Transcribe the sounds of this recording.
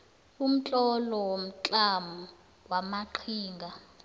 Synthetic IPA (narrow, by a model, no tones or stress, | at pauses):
um̩t͡ɬʼɔlɔwom̩t͡ɬʼamu | wamaǃʰiːŋɡʱa